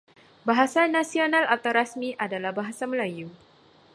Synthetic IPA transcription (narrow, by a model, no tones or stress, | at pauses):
baɦasanasionãlat̪awɾasmiʔadalahbaɦasaməlaju